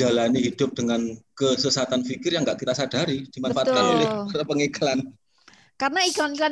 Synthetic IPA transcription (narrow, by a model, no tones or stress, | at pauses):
d͡ʒalaniɦid̥ʊp̚d̥əŋankəsəsat̪anfikɪrjaŋɡaʔkit̪asad̥a̤ɾid̥i̤manfaʔat̪kanelɪaɾapəŋekalan | karənaiɡɔnisa